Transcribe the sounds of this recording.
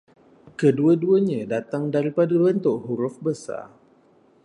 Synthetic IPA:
kəduaduəɲãdat̪aŋdaɾipadabənt̪ʊʔɦuɾʊfbəsa̰r

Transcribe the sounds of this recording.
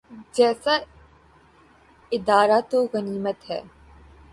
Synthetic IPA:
d͡ʒɛːsa | ɪd̪aːɾat̪oɣɐniːmət̪ɦɛ̰ː

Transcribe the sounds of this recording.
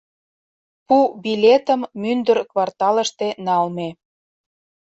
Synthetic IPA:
pubilʲet̪ə̆mːynd̪ərkβɑrt̪ɑlə̆ʃt̪enɑlme

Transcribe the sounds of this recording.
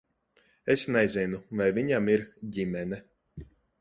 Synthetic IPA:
esnɛjzʲinuvajviɲamiɾɟimʲɛnɛ

